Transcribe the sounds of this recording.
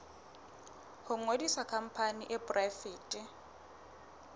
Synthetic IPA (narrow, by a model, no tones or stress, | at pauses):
hʊŋwedisakʰam̩pʰaniʔɪbʊrafiːtʼɪ